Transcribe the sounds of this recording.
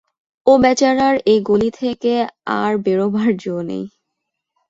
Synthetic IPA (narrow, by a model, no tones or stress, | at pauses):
obɛt͡ɕaɾaɾejɡolit̪ʰekea̰ɾbeɾobʱaɾd͡ʑonḛj